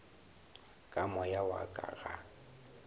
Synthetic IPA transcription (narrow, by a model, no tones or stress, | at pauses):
kʼamɔjawa̰kʼa̰ɣa